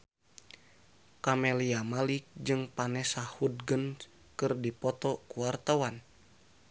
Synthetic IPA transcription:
kamɛliamalik̚d͡ʒɨŋpanɛsahud̚ɡən | kɨrdipɔt̪ɔkuwart̪awan

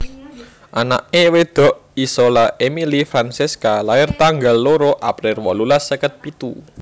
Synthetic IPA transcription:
ʔana̰ʔewed̪̥ɔ̤ʔisolaʔemilifɾanseskalaɪrt̪aŋɡalːoɾoʔapɾɪrwɔlulasəkət̪̚pit̪u

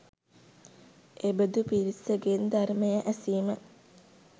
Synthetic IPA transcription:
ebəd̪upiɾisəɡend̪arməjəʔæsiːmə

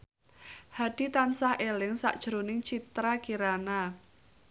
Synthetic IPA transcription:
had̥it̪ansahelɪŋsa̰ʔd̥ʒ̥ɾonɪŋt͡ʃit̪ɾakiɾana

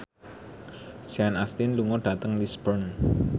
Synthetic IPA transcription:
sianast̪ɪnluŋɔɖ̥a̤t̪əŋlisbərn

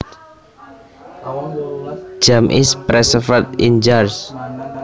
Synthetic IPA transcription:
d͡ʒamʔɪ̰spɾɛsəfət̪̚ḭnd͡ʒars

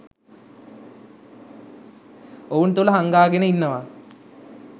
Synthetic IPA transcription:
ount̪uləɦaŋɡaːɡenəinːəʋa

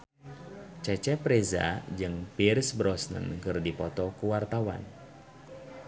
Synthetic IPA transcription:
t͡ʃɛt͡ʃɛpɾɛza̰d͡ʒɨŋpirsbɾɔsnə̰nkɨrdipɔt̪ɔkuwart̪awa̰n

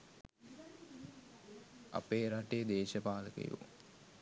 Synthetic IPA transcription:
a̰peːɾaʈed̪eːʃəpaːləkḛjṵ

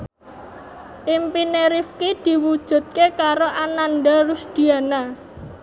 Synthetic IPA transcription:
ʔimpineɾifkid̪̥i̤wud̥ʒ̥ṳt̪̚kekaɾoʔananɖaɾʊsd̪̥i̤ana

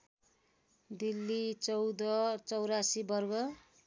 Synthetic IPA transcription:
d̪ilːit͡sʌwd̪ʌt͡sʌwɾasibʌrɡʌ

